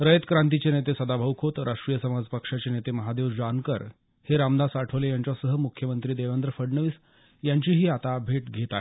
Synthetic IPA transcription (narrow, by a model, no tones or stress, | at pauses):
ɾəjət̪kɾãnt̪̬it͡ɕenet̪esəd̪abʱəʋkʰot̪ɾʔaʂʈɾijəsəmad͡zpəkʂat͡ɕenet̪eməɦad̪eʋd͡ʑankəɾ | heɾamd̪asaʈʰəʋlejaɲt͡ɕasəɦəmukʰjəmənt̪ɾiːd̪eʋend̪ɾəfəɽɳəʋiːs | jaɲt͡ɕiːɦiːat̪abʱeʈɡʱet̪aɦe